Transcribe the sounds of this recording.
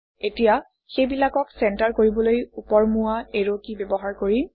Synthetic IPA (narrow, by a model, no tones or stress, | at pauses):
etija | xejbilakɔksɛntaɹkoɹibɔlojupɔɹmuaeɹokibɛbɔɦaɹkoɹi